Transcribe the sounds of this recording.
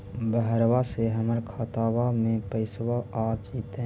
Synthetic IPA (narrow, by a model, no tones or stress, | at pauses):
bəɦəɾwaseɦəməɾkʰaːt̪aːwamẽpəɪswaaːt͡ʃiːt̪e